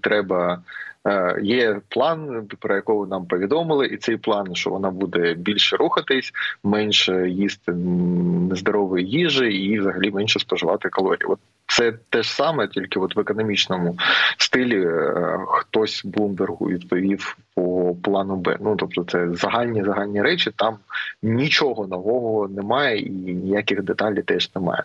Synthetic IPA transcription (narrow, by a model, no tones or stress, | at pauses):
t̪ɾɛbɐ | jɛplˠɑnpɾɔjɐkɔʋɪnɑmpɔʋʲid̪ɔmɪlˠɪʔit̪sɛjplˠɑnʃt͡ʃɔ̰ʋɔnɑbud̪ɛbʲilʲʃɛɾʔuxɐt̪ɪsʲmɛnʲʃɛjist̪ɪnezd̪ɔɾɔʋʊjijiʒɪiʋzɐɦɐlʲimɛnʲʃɛspɔʒɪʋɑt̪ɪkɐlˠɔɾʲḭjḭʔɔt̪̚ | sɛt̪ɛʒsɑmɛtʲilʲkɪɔt̪ʋekɔnɔmʲit͡ʃnɔmʊst̪ɪlʲi | xt̪ɔsʲblˠumbʲerɦʊ̰ʋʲid̪pɔʋʲiwpɔplˠɑnʊbɛ̰nut̪ɔpt̪ɔt̪sɛzɐɦɑlʲnʲizɐɦɑlʲnʲiɾɛt͡ʃɪt̪ɑmnʲit͡ʃɔɦɔnɔʋɔɦɔnɛmɑjɛʔinʲijakʲɪxd̪et̪ɑlʲit̪ɛʒ̥nɛmɑ̰jɛ̰